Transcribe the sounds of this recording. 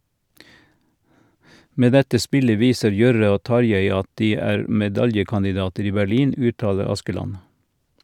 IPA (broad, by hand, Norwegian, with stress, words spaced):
ˈmeː ˈdɛtə ˈspɪlə ˈʋiːsəɾ ˈjœɾə ˈoː ˈtɑɾjeɪ ˈɑt ˈdiː ˈæːɾ mɛˈdɑljəkɑndɪˌdɑːtəɾ ˈiː bæˈliːn ˈʉːˌtɑːlə ˈɑskəˌlɑn